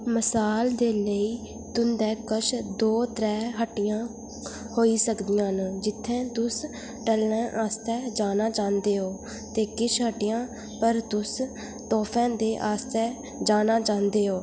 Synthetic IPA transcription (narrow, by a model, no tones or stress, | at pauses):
məsaːld̪eːləiː | t̪ʊnd̪ɛːkət͡ʃʰd̪oːt̪ɾɛːɦəʈːɪjãː | hoːiːsəkd̪ɪjãːnd͡ʒɪt̪ʰːɛ̃ːt̪ʊs | ʈəlːɛ̃ːʔaːst̪ɛːd͡ʒaːnaːt͡ʃãːnd̪eːɦoː | t̪eːkɪt͡ʃʰɦəʈɪjãː | pəɾt̪ʊs | t̪ɔːpʰɛ̃ːd̪eːʔaːst̪ɛː | d͡ʒaːnaːt͡ʃãːnd̪eːɦoː